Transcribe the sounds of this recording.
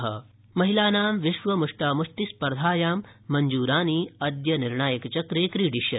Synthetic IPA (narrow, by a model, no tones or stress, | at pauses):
ɦɐ̰ | mɐɦilaːnaːmʋiʃʋɐmuʂʈaːmuʂʈispɐɾd̪ʱaːjaːmː | ɐɲd͡ʒuːɾaːniːɐd̪jɐniɾɳaːjɐkt͡ʃɐkɾeːkɾiːɖiʃjɐ